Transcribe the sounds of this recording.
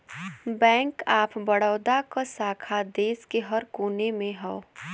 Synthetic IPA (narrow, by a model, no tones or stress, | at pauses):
bɛ̃ːŋkaːpbəɽəːd̪akasaːkʰad̪eːskeɦɐɾkoːnemẽɦɛo